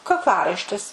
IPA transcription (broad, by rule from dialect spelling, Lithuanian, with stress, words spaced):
kɐkˈlˠɑːrɐɪʃʲtʲɪs